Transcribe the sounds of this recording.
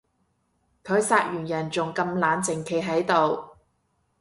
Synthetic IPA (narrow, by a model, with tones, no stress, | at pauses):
kʰɵ˨˧ɥsaː˧t̚jyː˨˩njɐ˨˩nt͡sʊ˨ŋkɐ˧mlaː˨˧nt͡sɪ˨˩ŋkʰe˨˧˥jɦɐ˨˥jt̪o˨w